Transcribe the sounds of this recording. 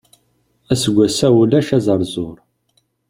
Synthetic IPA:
æsəɡʷːæsæwulæʃæzəɾˤzʊɾˤ

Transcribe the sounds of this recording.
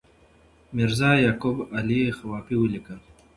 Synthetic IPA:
miɾzaːjaːkubalixawaːpiwəlikal

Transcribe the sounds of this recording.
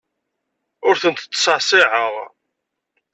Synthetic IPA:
ʊɾθənt̪ət͡sːsˤəʕsˤɪʕəʁ

